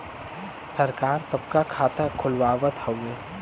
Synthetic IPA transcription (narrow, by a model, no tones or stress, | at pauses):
səɾkaːɾsəb̚kakʰaːt̪akʰʊlʋaːʋət̪həweː